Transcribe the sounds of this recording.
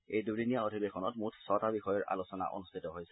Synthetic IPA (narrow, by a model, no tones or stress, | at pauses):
ejdudinijaodʱibekʰɔnɔtmutʰsɔtabixɔjɔɹʔa̰losɔna̰ʔo̰nustʰitɔɦojsɛ